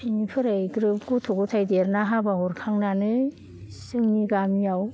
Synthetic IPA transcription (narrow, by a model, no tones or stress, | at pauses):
inipʰɯɾajɡɾɯp̚ɡutʰoɡɔtʰajdeɾnaɦabaɦɔɾkʰaŋnanɯ | sɯŋniɡamijaw